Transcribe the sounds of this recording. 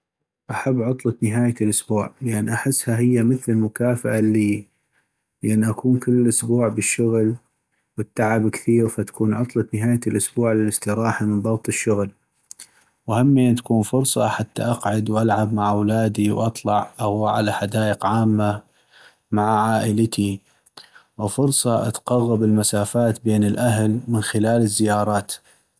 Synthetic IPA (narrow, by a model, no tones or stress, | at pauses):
ʔaħabːʕʊt̪ˤlɑt̪nɪɦaːjalʔʊsbuːʕlɪʔanːʔaħɪsːhaɦɪjːaməθlmʊkaːfaʔalːiː | lʔanːiʔakuːnkɪlːlʔʊsbuːʕbɪʃːʊɣl | wɪt̪ːaʕabkθiːɾfat̪ḁkuːnʕʊt̪ˤlɑt̪nɪɦaːjalʔʊsbuːʕlɪlɪst̪ɪɾɑːħamənbɑɣt̪ˤɪʃːʊɣl | whamːiat̪ḁkuːnfʊɾsˤɑ̰ħat̪ːa̰ʔɑqʕʊd̪wʔalʕabmaʕawlaːd̪iwʔɑt̪ˤlɑʕʔaɣwaːʕa̰laħad̪aːʔəqʕaːmːa | maʕaʕaːʔɪlɪt̪ʰi | wfʊɾsˤɑʔa̰t̪qɑɣːɑbɪlmasaːfaːt̪beːnɪlʔaɦlmɪnxɪlaːlɪzːɪjɑːɾˤɑːt̪